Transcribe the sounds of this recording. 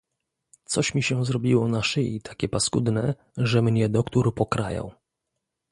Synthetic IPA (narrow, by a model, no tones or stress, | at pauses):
t̪sɔɕmʲiɕɛ̃zɾɔbʲiwɔnaʂɘḭt̪ʰḁkʲɛpaskud̪nɛ | ʐɛmɲɛd̪ɔkt̪uɾpɔkɾa̰jɔ̰w